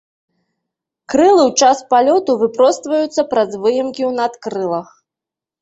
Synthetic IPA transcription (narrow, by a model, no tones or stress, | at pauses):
kɾɨlˠɨwt͡ʂaspalʲɔt̪uvɨpɾɔst̪vɐjut̪sːɐpɾɐzvɨjɛmkʲiwnat̪kɾɨlˠɐx